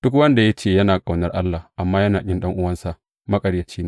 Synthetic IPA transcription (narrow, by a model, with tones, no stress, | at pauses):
d̥ʊ˦kwɐ˦nda˨ja˦t͡ʃeː˦˨jɐ˦naː˨kʼa˨wnɐ˦rʔa˦lːa˨hʔa˨mːaː˦jɐ˦naː˨kʲʼɪ˦nɗɐ˦ŋʔʊ˦wɐ˦nsa˦˨ʔ | mɐ˦kʼɐ˨rjɐ˨t͡ʃiː˦nː˨